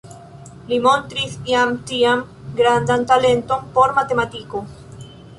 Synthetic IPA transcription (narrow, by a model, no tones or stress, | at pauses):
limõnt̪ɾiθjamt̪iam | ɡɾand̪ant̪alent̪ompoɾmat̪emat̪iko